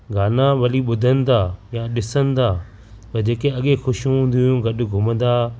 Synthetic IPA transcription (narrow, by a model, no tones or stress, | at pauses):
ɡaːnaʋɐliɓʊd̪ʱənɪ̆d̪aːjãɗɪsənɪ̆d̪aː | pɐd͡ʑeːkeɐɠexʊʃũɦũːnd̪ijũɡɐɗʊ̆ɡʱʊmə̃n̆d̪aː